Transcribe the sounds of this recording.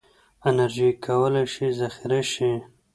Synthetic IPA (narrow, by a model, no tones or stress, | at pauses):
ɪnaɾʒikʰawəlajʃizaxɪɾaʃi